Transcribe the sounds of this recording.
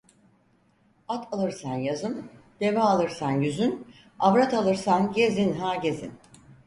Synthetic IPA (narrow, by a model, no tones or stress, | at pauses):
at̪ʰalˠɯɾsanjazɯmd̪̥e̞maalˠɯɾsanjyzyn | avɾat̪alˠɯɾsanɟezinɦaːɟezḭn